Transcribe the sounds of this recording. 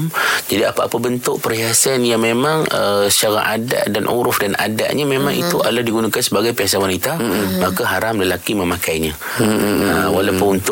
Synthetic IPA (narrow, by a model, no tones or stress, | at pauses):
md͡ʒadiapaːpabənt̪ʊʔ̚pəɾiɦasanjaŋmemãŋəʃaɾa̰ʔada̰ʔdanʔṵɾʊfdana̰da̰ʔɲamemãŋḭt̪uʔa̰lahdiɡunakansəbaɡajpias̬awanit̪amakaɦaɾamləlakimə̃makajɲã | əwalawpʊnunt̪